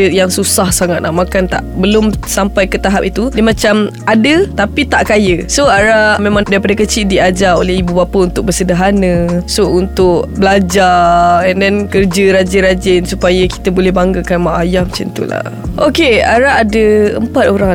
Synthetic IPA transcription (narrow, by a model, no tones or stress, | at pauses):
əjaŋsusahsaŋat̪̚naʔmakant̪a̰ʔbəlʊmsampajkət̪aɦap̚it̪udimãt͡ʃam | adət̪apit̪aʔkajəsoaɾamẽmãŋdaɾipadakət͡ʃidiad͡ʒao̰lɛhibubapəunt̪ʊk̚bəsədaɦanə̃sount̪ʊk̚bəlad͡ʒaɛndɛnkərd͡ʒəɾad͡ʒəɾad͡ʒɪnsupajaki̥t̪əbolɛhbaŋɡəkanmaʔajahmət͡ʃə̰nt̪ṵla̰ | ʔokea̰ɾaːdəəmpat̪̚oɾaŋ